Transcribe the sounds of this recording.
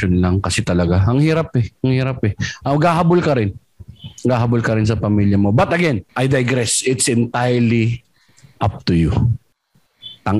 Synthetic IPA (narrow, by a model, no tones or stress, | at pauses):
onlɐŋkɐsɛt̪ɐlɐɡaɐŋhiːɾapɛɐŋhiːɾapɛʔɐɡaːhabʊlkɐɾɪn | ɡaːhabʊlkɐɾɪns̬ɐpɐmiljɐmo̞bɐt̪ɐɡɛnʔajd̪ɐjɡɾɛsɪt̪sɪnt̪ajəli | ʔap̚t̪ʊjʊ | t̪ɐŋ